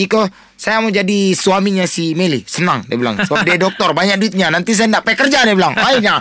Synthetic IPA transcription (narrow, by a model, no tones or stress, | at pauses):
iko | sajamad͡ʒadisuamiɲasimelisənaŋdiabila̰ŋsəbap̚diadɔk̚t̪ɔrbaɲak̚duit̪̚ɲanant̪is̬ajandaʔpaikərd͡ʒadibilaŋaiɲa